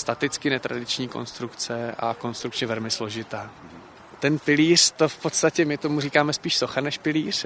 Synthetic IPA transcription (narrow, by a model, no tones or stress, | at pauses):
st̪at̪ɪt͡skɪnɛt̪ɾa̰dɪt͡ʃɲiːko̞̰nst̪ɾukt͡sɛʔa̰ko̞nst̪ɾuk̚t͡ʃɲɛvɛlmɪslo̞ʒɪt̪aː | t̪ɛnpɪliːr̝̥t̪o̞fpo̞t̪st̪acɛmɪt̪o̞muriːkaːmɛspiːʃsoxanɛʃpɪliːr̝